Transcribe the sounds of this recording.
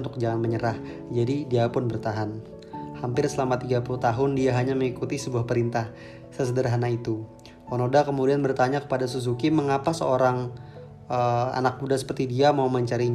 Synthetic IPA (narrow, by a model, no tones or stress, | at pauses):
nt̪ʊk̚d͡ʒaŋanməɲəɾah | d͡ʒadidiapʊnbərt̪aɦan | hampɪrsəlamat̪iɡapuluht̪aɦʊndiaɦaɲaməŋikut̪isəbuahpəɾint̪ah | səs̬ədərɦanait̪u | onodakəmudianbərt̪aɲakə̥padas̬us̬ukiməŋapasəoɾaŋ | əa̰nak̚budasə̥pərt̪idiamauməɲt͡ʃaɾiɲ